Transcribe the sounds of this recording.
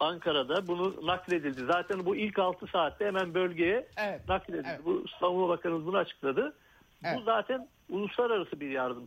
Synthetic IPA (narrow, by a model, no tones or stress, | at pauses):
aŋkʰaɾad̪abununaklʲe̞d̪ilʲd̪izaːt̪ʰænbuilʲcalˠt̪ʰɯsaːt̪ʰːɛhemænbø̞lʲɟe̞jɛnaklʲe̞d̪ilʲd̪ibust̪ʰamulˠabakʰaɾɯnɯzbunuat͡ʃʰɯ̥klˠad̪ɯ | buzaːt̪ʰæn | ulˠuslˠaɾaɾasɯbiɾjaɾd̪ɯm